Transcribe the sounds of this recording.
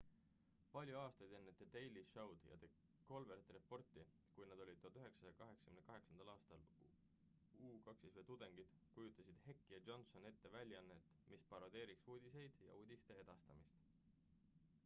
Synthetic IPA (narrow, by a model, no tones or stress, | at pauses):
pɑlʲjuɑːst̪ɑjd̪e̞nːet̪ːet̪e̞jliʃɑwd̪̥jɑ̰t̪e | ko̞lbeɾt̪ːˑrepːo̞rt̪ːˑi | kujnɑd̪o̞lʲid̪̥̚t̪ːot̪yɦe̞ksɑsjɑkɑɦe̞ksɑ̥kymnekɑɦe̞ksɑnd̪̥ɑlɑːst̪ɑl | uːkɑksisvejt̪ud̪̥e̞ŋɡ̥id̪̥ | kujut̪ˑːɑsid̪̥he̞kːijɑd͡ʒo̞nso̞ne̞t̪ːe̞vælʲːjɑnːet̪ːmispɑɾod̪e̞ːɾiksuːd̪̥ʲise̞jd̪̥jɑ̰uːd̪̥ʲist̪e̞e̞d̪̥ɑst̪ɑmist̪